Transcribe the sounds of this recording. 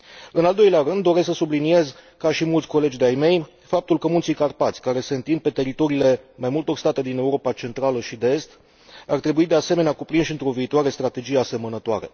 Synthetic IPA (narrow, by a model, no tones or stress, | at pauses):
ɨnald̪o̞jleaɾɨnd̪ːo̞ɾesksəsublinie̞zkaʃimult̪sʲko̞le̞d͡ʒʲd̪eajme̞j | fap̚t̪ulkəmunt̪sikarpat̪sʲkaɾe̞se̞ɨnt̪ind̪̚pe̞t̪e̞ɾit̪o̞ɾiːle̞majmult̪o̞rst̪at̪e̞d̪ine̞uɾo̞pat͡ʃe̞nt̪ɾaləʃid̪e̞e̞st̪ | art̪ɾe̞buid̪e̞ase̞me̞neakupɾinʃiɨnt̪ɾo̞viːt̪oaɾe̞st̪ɾat̪e̞d͡ʒijease̞mənət̪oa̰ɾe̞̰